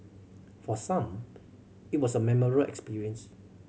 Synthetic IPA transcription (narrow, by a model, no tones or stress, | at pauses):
fɔsãm | it̚wɔsəmɛməɹəʔɛ̰kspiɹiə̃ns